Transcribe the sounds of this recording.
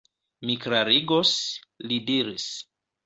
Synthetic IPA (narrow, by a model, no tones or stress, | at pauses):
mikɾaɾiɡoslidiɾis